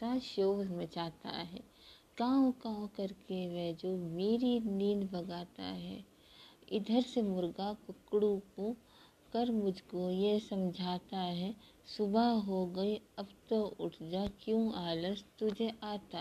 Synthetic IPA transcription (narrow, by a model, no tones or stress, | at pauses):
aʃoːlmẽt͡ʃaːt̪a̰ɦɛ̰ː | kaːmkãːkɐɾkeʋɛːd͡ʒoːmeːɾiniːnbɐɡaːt̪a̰ɦɛ̰ː | ɪd̪ʱəɾsemʊɾɡakʊkɽũkõ | kɐɾmʊd͡ʒʱkojesɐmd͡ʒʱaːt̪aɦɛ | sʊbʱaɦoɡɐiɐbt̪oʊʈʰd͡ʒakjũːaːləst̪ʊd͡ʒʱeʔaːt̪a